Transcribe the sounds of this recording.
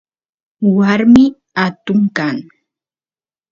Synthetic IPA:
waɾmɪ | at̪ʊŋkaŋ

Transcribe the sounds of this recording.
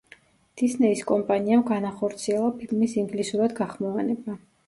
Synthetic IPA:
d̪̥isnɛiskʼɔmpʼaniamɡanaχɔɾt̪sʰiɛlˠapʰilˠmisiŋɡlisuɾad̪ɡaχmɔvanɛba

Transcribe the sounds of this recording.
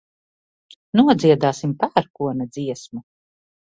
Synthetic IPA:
nuɔd̪ziɛd̪aːsimpæːɾkuɔnad̪ziɛsmu

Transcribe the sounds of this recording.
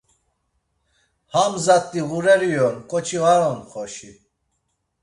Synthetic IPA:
hamzat̪ʼːiɣuɾɛɾijɔnkʼɔt͡ʃʰiɣaɾɔnχɔʃi

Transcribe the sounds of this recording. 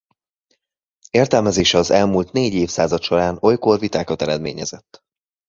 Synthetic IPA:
eːrt̪ɛlmɛzeːʃɛɒzɛlmult̪neːɟeːfsaːzɒt̪ʃo̞ɾaːno̞jko̞rvit̪aːkɒt̪ɛɾɛd̪meːɲɛzɛt̪ː

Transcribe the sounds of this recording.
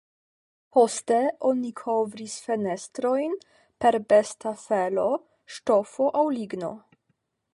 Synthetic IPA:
po̞ste̞o̞nikʰo̞vɾisfenestɾo̞jn | pe̞ɾbestafelo̞ | ʃto̞fo̞ʔawliɡno̞̰

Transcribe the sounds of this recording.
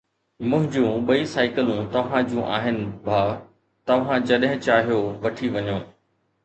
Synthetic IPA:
mʊ̃ɦɪ̃d͡ʑũːɓɐisaːɪkəlũt̪ɐʋ̤ãd͡ʑũʔaːɦɪnɪ̆bʱaː | t̪ɐʋ̤ãd͡ʑɐɗɦɪ̃t͡ɕaːɦijoʋɐʈʰiʋɐɲõː

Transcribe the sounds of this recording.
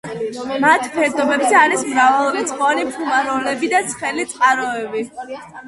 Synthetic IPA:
mat̪ʰpʰɛɾd̪ʼɔbɛbzɛaɾismɾavalˠɾɛt̪sʼχʼɔnipʰumaɾɔlɛbid̪at̪sʰχɛlit̪sʼqʼaɾɔɛbi

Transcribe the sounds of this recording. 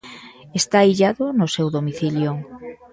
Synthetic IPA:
est̪aiʎaðʊnʊsewðomiθiljo

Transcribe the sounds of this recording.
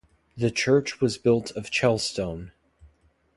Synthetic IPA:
ðɨt͡ʃʰɜ˞t͡ʃwʌzbɪlˠtʰʌv̥t͡ʃʰɛlˠstõʊ̃n

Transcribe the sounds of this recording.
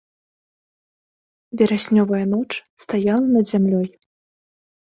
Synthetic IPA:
vʲɛɾasʲnʲɔvɐjɐn̪ɔt͡ʂst̪ajalˠɐnɐd̪zʲamlʲɔj

